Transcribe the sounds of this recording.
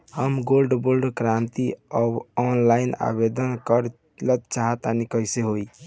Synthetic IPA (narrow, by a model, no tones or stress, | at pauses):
həmɡolɖbolɖkɾant̪iɔbɔnlaina̰bed̪ənkəɾ | lət̪̚t͡ʃaɦət̪anikəjseɦoi